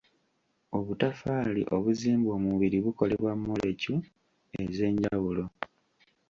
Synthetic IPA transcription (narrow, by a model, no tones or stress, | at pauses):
o̞βutafaːlḭʔo̞βuziːmbo̞ːmuβiɾiβuko̞le̞βwamːolecu | e̞ze̞ːɲɟawulo̞